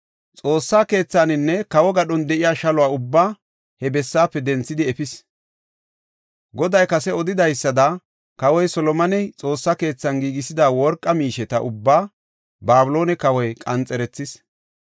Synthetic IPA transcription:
t͡sʼo̞ːsːaːke̞ːt͡sːaːnɪnːɛkɐwɔɡɐɗɔnd̪ɛʔɪjaːʃɐlʊwaːʊbːaː | hɛbɛsːaːpːɛd̪ɛnt͡sːɪd̪ɪɛfɪs | ɡɔd̪ɐjkɐsɛɔd̪ɪd̪ɐjsːɐd̪ɐ | kɐwɔjsɔlɔmɐnɛt͡sʼo̞ːsːake̞ːt͡sːɐnɡiːɡɪsɪd̪aːwɔɾkʼːɐmiːʃɛt̪ɐʔʊbːaː | baːbʊlo̞ːnɛkɐwɔjkʼɐnt͡sʼɛɾɛt͡sːɪs

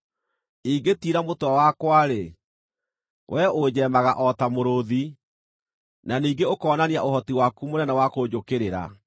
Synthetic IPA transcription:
iːɡetiːɾamotwawakwaɾe | wʔɛod͡ʑɛmaɣaʔɔtamoɾoði | naniːɡeokɔːnaniaʔohɔtiwakumonɛnawakod͡ʑokeɾeɾa̰

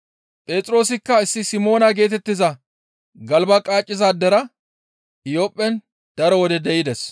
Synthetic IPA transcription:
pʼe̞ːt̪ʼɪɾo̞ːsɪkːɐɪsːɪsɪmo̞ːnɐɡe̞ːt̪ɛt̪ːɪzɐ | ɡɐlbɐkʼaːt͡ʃʼːɪzaːd̪ɛɾɐ | ɪjopʼːɛn | d̪̥ɐɾɔwɔd̪ɛd̪ɛʔɪd̪ɛs

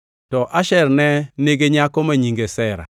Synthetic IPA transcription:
tɔʔaʃɛɾnɛneɡeɲakɔmaɲiŋɡesɛɾa̰

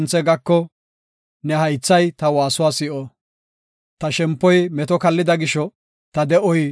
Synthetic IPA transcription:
nt͡sːɛɡɐkːɔ | nɛhɐjt͡sːɐjt̪ɐwaːsʊwaːsɪʔɔ | t̪ɐʃɛmpːɔjmɛt̪ɔkɐlːɪd̪ɐɡɪʃɔ | t̪ɐd̪ɛʔɔj

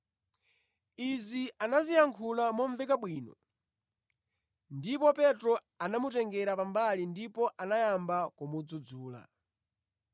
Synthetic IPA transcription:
izianazijaŋkʰulamɔɱvɛkaɓwiːnɔ̰ | ndipɔpɛtɾɔ | anamutɛŋɡɛɾapambalindipɔʔanajambakɔmud͡zud͡zuːla̰

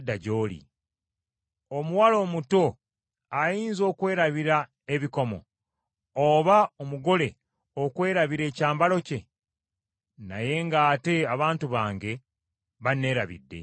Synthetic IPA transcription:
dːaɟo̞ːlḭ | omuwalo̞ːmuto̞ | ajiːnzo̞ːkwe̞ːɾaβiɾa | eβiko̞mo̰ | oβaomuɡo̞le̞ | okwe̞ːɾaβiɾe̞ːcaːmbalo̞ce̞ | na̰je̞ŋɡaːte̞aβaːntuβaːŋɡe̞ | βane̞ːɾaβḭdːe̞̰

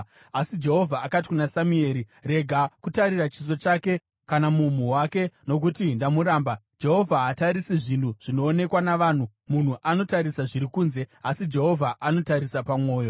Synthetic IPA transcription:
asid͡ʒe̞ɦo̞vʱaːkat̬i̥kunasamue̞ːɾire̞ɡʱakutaɾirat͡ʃis̬o̞t͡ʃake̞ | kanamum̤uwake̞no̞k̬utindamuɾaːmbad͡ʒe̞ɦo̞vʱaɦataɾisiʐintʰuʐ̥ino̞ːne̞kwanaʋaːn̤u | mun̤uʔano̞taɾisaʐiɾikuːnze̞asid͡ʒe̞ɦo̞vʱaʔano̞taɾisapamwo̞ːjo̞

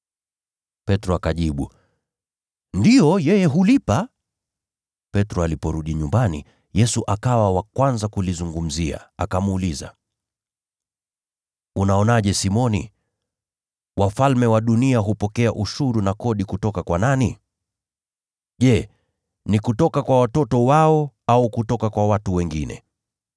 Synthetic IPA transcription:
pɛtɾɔakaʄiɓṵ | ndijɔjɛjɛɦulipa | pɛtɾɔalipɔɾuɗiɲumbanḭ | jɛsuʔakawawakwanzakulizuŋɡum̩zia̰akamuliza̰ | unaɔnaʄɛsimɔnḭ | wafalmɛwaɗuniaɦupɔkɛaʔuʃuɾunakɔɗikutɔkakwanani | ʄɛ | nikutɔkakwawatɔtɔwaɔaukutɔkakwawatuwɛŋɡinɛ̰

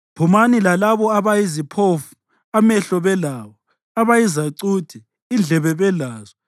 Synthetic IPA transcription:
pʰumanilalaβɔaβajizipʰofu̥ | amɛɬɔβɛlaːβɔ | aβajizaǀud̥ʱi | ind͡ɮʱɛβɛβɛlaːzɔ

